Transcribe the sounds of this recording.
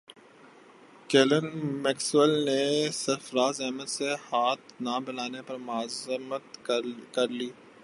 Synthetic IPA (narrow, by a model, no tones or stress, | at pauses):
keːlənmɛːkswəlnesɐɾfɾaːzɛɦmət̪sehaːt̪nabɪlaːnepɐɾmʊaːzmət̪kɐɾliː